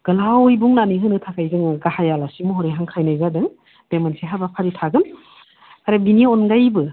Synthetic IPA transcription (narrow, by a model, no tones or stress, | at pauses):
ɡ̥ɐlawjbuŋnaniɦɯnɯtʰakʰajɡɯŋɡahajalasimuɦɔɾeɦaŋkʰajnajzadɯŋ | b̥emansiɦabapʰaɾitʰaɡɯn | aɾabinionɡajbɯ